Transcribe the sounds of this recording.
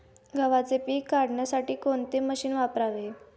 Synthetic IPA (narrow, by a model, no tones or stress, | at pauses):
ɡʱəʋat͡sepiːkːaɽɳjasaʈiːkoɳt̪eməɕiːnʋapɾaʋe